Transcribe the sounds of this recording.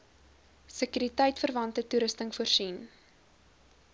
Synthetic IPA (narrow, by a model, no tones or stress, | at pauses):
səkyːɾitəjtfərvɐntətuɾəstəŋfuərsin